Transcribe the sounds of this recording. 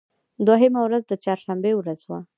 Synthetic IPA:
d̪oɦemawɾazd̪ət͡ʃɑɾʃambewɾazwa

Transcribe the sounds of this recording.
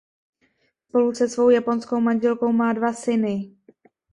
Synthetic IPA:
spo̞lusɛsvo̞wjapo̞nsko̞wmaɲʒɛlko̞wmaːdvasɪnɪ

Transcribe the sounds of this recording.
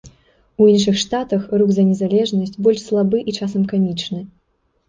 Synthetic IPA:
uinʂɨxʂt̪at̪ɐxrukzɐnʲɛzalʲɛʐnɐsʲt͡sʲbɔlʲʂslˠabɨʔit͡ʂasɐmkamʲit͡ʂnɨ

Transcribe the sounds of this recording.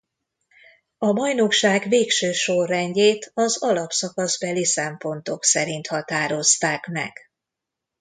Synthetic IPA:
ɒmɒjno̞kʃaːɡveːkʃøːʃo̞rːɛɲɟeːt̪ʰɒzɒlɒpsɒkɒzbɛlisɛmpo̞nt̪o̞ksɛɾint̪hɒt̪aːɾo̞st̪aːkmɛ̰ɡ̥

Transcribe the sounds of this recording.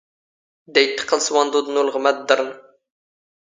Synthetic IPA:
d̪ɛjt̪ʰːə̥qʰəlˠsɨwɑnd̪ud̪ɨnulˠʁəmɛt̪̚d̪əɾn

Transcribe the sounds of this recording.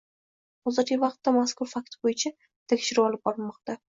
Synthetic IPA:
ɒzɪɾɡʲɪvɑqt̪ːamaskʊɾfak̚ʲt̪bojɪt͡ʃʰa | t̪ʰekʲʃɪɾɪɒlˠɪp̚bɒɾɪlmɒq̚t̪a

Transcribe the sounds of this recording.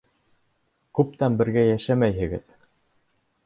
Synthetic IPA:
kʉp̚t̪ænbɘ̆ɾɡæjæʃæmæjhɘ̆ɡɘ̰ð

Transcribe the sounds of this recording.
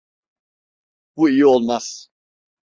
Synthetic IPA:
b̥uijio̞lˠmaz̥

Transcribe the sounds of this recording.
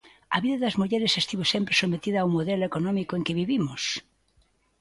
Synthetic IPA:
ɐβiðɐðɐzmuʎɛɾɪsest̪iβosempɾesomet̪iðɐawmoðɛlʊekonɔmikoeŋkɪβiβimʊs

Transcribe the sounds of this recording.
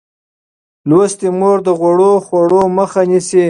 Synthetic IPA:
lwost̪emoɾd̪əɣwaɽoxwaɽoməxanisi

